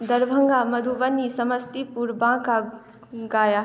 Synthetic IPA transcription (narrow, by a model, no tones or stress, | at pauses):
d̪əɾbʱə̃ŋɡamɐd̪ʱubənːisɐməst̪ipuɾbãːka | ɡaːja